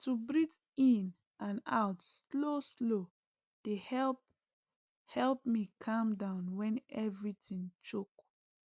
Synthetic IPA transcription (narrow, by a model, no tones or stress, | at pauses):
tʰubɹit | ĩn | ʔãna̰ʊtsloslo | d̥ehɛlp | hɛlp̚mikʰãmdãʊ̃nwɛ̃nɛvɹitĩŋt͡ʃok̚